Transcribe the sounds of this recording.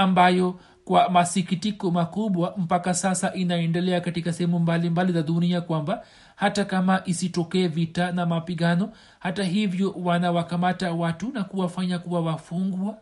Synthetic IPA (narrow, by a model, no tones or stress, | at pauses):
ambajɔ | kwamasikitikɔmakuɓwam̩pakasasaʔinaɛndɛlɛakatikasɛhɛmumbalimbalizaɗuniakwamba | hatakamaʔisitɔkɛːvitanamapiɠanɔ | hataɦivjɔwanawakamatawatunakuwafaɲakuwawafuŋɡua